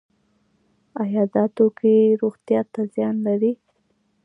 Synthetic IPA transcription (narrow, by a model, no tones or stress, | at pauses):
ajɑd̪ɑt̪okeɾoɣt̪jɑt̪azjɑnlaɾi